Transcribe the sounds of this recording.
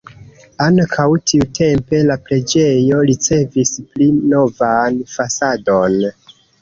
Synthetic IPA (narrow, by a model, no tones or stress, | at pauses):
aŋkʰawtʰiutʰe̞mpe̞lapɾe̞d͡ʒe̞jo̞ɾit͡se̞visplino̞vanfasado̞n